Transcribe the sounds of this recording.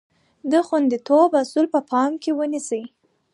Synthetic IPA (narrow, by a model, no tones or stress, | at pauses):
d̪əxwand̪it̪obasulpəpʰɑmkewənisəj